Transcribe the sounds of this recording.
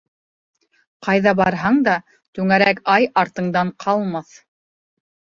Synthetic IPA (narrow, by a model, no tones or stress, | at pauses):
qɑjðɑbɑɾɦɑɴd̪ɑ | t̪ʉŋæɾækɑjɑɾt̪ɤ̆ɴd̪ɑɴqʰɑlˠmɑθ